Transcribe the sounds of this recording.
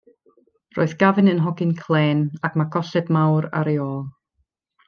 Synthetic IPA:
ro̰ːɨðɡ̥avɨnənɦɔɡɪnkʰlˠeːnakmaɡɔsɛdmawɾa̰ɾeɔːlˠ

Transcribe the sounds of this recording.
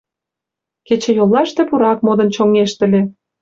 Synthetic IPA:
ket͡ɕĕjolːɑʃt̪ĕpuɾɑk̚mod̪ə̆nt͡ɕoŋeʃt̪ə̆lʲe

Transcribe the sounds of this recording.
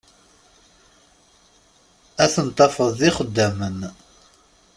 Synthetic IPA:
æθənt̪ˤːɑfəððiχəd̪ːæmən

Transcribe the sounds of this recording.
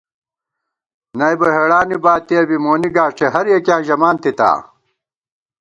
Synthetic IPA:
nɐjbɐɦeɽaːnibaːt̪ːiɐbimoːniɡaːʂʈʰeɦɐɾjekjãːʑɐmaːnt̪it̪a̰ː

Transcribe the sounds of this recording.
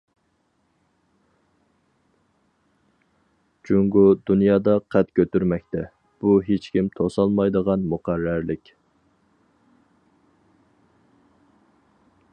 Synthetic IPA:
d͡ʒuŋɡud̪unjɑːd̪ɑqʰæt̪kʲøt̪yɾmɛk̚ʲt̪ɛ | b̥uɦet͡ʃkʲimt̪ʰosɑlˠmɑjd̪əʁɑnmuqæɾːæɾlɪkʲ

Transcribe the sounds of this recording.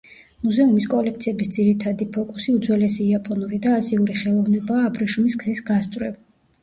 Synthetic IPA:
muzɛumiskʼɔlɛk̚ʰt̪sʰiɛbisd̪z̥iɾit̪ʰad̪ipʰɔkʼusiud̪zwɛlɛsiːapʼɔnuɾid̪aːziuɾiχɛlˠɔvnɛbaːbɾɛʃumisɡzisɡast̪sʼwɾɛv

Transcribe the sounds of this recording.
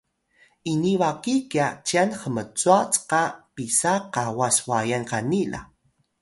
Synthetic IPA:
iniwakikjat͡ʃianχəmət͡suat͡sqapisaqawaswajanqanila̰

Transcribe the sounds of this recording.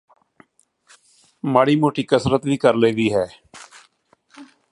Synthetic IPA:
maːɽiːmoːʈiːkəsɾət̪ʋiːkəɾleːd̪iːɦɛː

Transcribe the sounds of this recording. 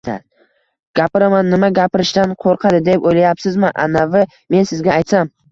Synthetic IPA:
a̰ | ɡ̥ʲapɪɾamanːɪmaɡʲapɪɾɪʃt̪anqʰoɾqʰɑd̪ɪd̪epojlajapsɪzmɪʔanavɪ | me̞nsɪzɡʲaːjt̪sam

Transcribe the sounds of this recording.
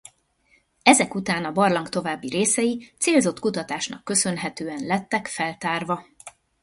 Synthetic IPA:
ɛzɛkut̪aːnɒbɒrlɒŋkt̪o̞vaːbːiɾeːsɛjit̪seːlzo̞t̪kut̪ɒt̪aːʃnɒ̰kːø̞sø̞nɦɛt̪øːɛnlɛt̪ːɛkfɛlt̪aːrvɒ

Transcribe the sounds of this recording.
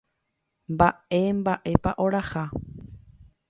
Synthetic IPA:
mbae̞mbaʔe̞paʔoɾaha

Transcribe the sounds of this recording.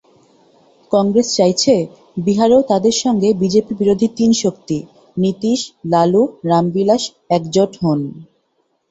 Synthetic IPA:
kɔŋɡɾest͡ɕajt͡ɕʰe | biɦaɾoot̪ad̪eɾʃɔŋɡebid͡ʑepibiɾod̪ʱit̪inʃokt̪i | nit̪iʃlaluɾambilaʃ | ɛkd͡ʑoʈɦon

